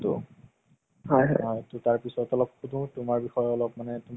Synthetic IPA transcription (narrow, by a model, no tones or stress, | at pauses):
tʊ̰ | ɦɔjɦɔɦɔjtʊtaɹpisɔtɔlɔb̚kʰudũtʊmaɹbixɔjɔlɔbmanɛtʊm